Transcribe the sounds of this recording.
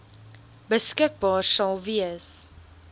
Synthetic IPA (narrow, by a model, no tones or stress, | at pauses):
bəskək̚bɑːrsɐlˠviəs